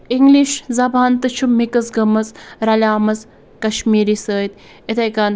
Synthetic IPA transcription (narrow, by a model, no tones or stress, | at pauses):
iŋɡliʃzɐbaːnt̪ɨt͡ʃʰumːikɐsɡɐmɐzɾɐlʲaːmɐz | kɐʃmiːɾiːsəːjt̪ | et̪ʰɐjkan